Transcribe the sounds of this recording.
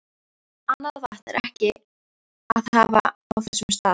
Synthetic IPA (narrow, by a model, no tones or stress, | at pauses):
anːaðvaht̪ɛɾʔɛhcɪ | aðhava̰awθɛsːʏmst̪aː